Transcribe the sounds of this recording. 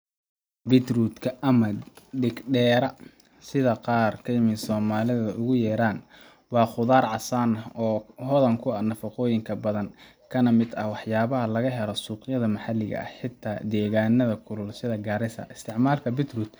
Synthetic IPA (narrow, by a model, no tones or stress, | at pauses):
bɪt̪ruːd̪kʰɐɐmɐɖɪɡɖɛːɾɐ | sɪðɐqɑːrkʰɐjɪmɪnsɔːmaːlɪðɐʊɣʊjɛːɾaːn | wɑːχʊðaːrʕɑsaːnɐɔːɦɔðɐŋkʰʊɐnɐfɐqɔːjɪŋkʰɐbɐðɐn | kʰɐnɐmɪd̪ɐhwɑħjaːβɐɦɐlɐɣɐɦɛlɔsuːqjɐðɐmɐħɑlːɪɣɐ̰ɐ̰ħɪt̪ʰːaːd̪ɛːɣaːnːɐðɐkʰʊlʊlsɪðɐɡaːɾɪsɐ̰ʔɪst̪ʰɪʕmaːlkʰɐbɪt̪ruːd̪